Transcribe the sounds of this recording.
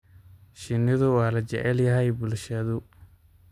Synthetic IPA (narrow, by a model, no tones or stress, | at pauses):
ʃɪnɪðʊwɑːlɐt͡ʃɛ̰ʕɛljɐɦɛjbʊlʃɐðʊ